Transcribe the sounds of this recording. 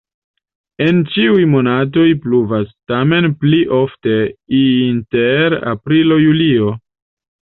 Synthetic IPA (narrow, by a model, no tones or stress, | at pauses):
e̞nt͡ʃiujmo̞nat̬o̞jpluvastame̞npliʔo̞fte̞inteɾa̰pɾilo̞julio̞